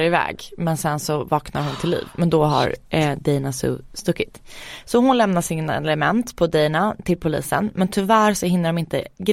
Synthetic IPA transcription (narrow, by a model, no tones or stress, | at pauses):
ɾɪvɛ̰ːɡmɛnsɛnsɔvɑːkna̰ɾhʊnt̪ʰɪlːḭːvmɛnd̪ɔɦa̰ɾd̪ɛjnasɵ̰ːst̪ɵkːɪt̪sɔhʊnlɛmnaʂɪnaɛlɛmɛnt̪pʰɔd̪ɛjnat̪ʰɪlpʰʊlḭːsə̰nmɛnt̪ʰʏvæːɾsɔhɪnːəɖɔmɪnt̪ə̰ɡ